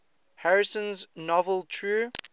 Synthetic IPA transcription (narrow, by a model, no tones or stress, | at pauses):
haɹɪsə̃nznɔvəlˠtʰɹuː